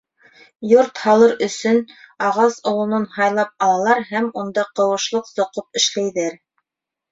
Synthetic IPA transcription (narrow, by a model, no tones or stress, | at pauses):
joɾt̪hɑlˠɤɾɵ̆sɵnɑʁɑsŏlˠŏnɤnhɑjlˠɑp̚ɑlˠɑlˠɑɾɦæmund̪ɑqɤ̆wɤ̆ʃlˠɤqsŏqɤp̚ɘ̆ʃlæjðæɾ